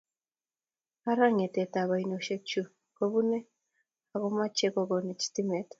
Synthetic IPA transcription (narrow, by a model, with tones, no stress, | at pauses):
a˦ɾa˦ŋe˨tɛ˨ta˨βa˨ino˨ʃe˦t͡ʃu˦ | ko˦βu˦nɛ˦ | a˨ɣo˦ma˦t͡ʃe˦ko˦ɡɔ˨ne˨t͡ʃi̥ti˦mɛ˨t